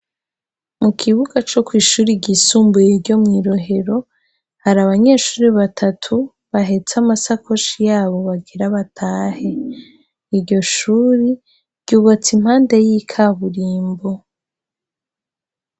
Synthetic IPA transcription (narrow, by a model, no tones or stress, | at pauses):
mukʰiβuɡat͡ʃo̞kwiːʃuːɾiɟisuːmbujeɾɟo̞mŋiːɾo̞ɦe̞ɾo̞ | haɾaβaɲe̞ːʃuːɾiβatʰatʰu | βaɦe̞t͡samasakʰo̞ʃijaːβo̞βaɡeɾaβatʰaːhe̞ | iɾɟo̞ʃuːɾi | ɾɟ̥uːβat͡sim̥haːnde̞jikʰaβuɾiːmbo̞